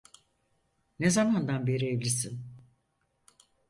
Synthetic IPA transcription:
nezamand̪anbe̞ɾievlʲisin

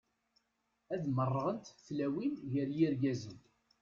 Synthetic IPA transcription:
æðmərˤːəʁənt̪θlæwinʝəɾjiɾɡæzən

